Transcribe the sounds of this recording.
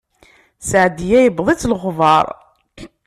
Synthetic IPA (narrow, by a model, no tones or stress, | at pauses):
sʕd̪ijæjəbðˤit͡sːlɣvɑɾˤ